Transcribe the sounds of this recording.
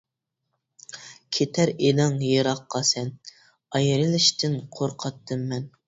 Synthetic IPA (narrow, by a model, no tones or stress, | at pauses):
kʲʰet̪ʰæɾed̪ɑŋjeɾɑqːɑsɛn | ɑjɾɨlˠɪʃt̪ʰɪnqʰoɾqʰɑt̪ʰːɨmːɛn